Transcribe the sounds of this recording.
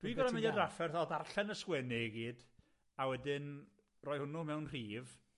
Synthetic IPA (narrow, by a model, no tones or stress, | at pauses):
d̥wiɡɔdamɪnɔdrafɛrθɔðarɬɛnəskwɛnɪɡiːd̥ | awɛdɪn | rɔːjhʊnʊmɛwnr̥iːv